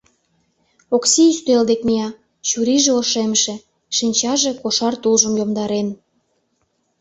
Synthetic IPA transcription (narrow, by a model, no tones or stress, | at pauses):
oksiyst̪eld̪ekmiɑ | t͡ɕuɾiʒĕoʃemʃĕ | ʃinʲt͡ɕɑʒĕkoʃɑrt̪ulʒə̆mjomd̪ɑɾen